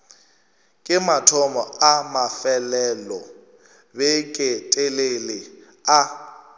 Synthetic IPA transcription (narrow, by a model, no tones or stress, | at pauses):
kʼɪmatʰɔmɔamafɛlɛlɔ | bɛkʼetʼelelɪ | a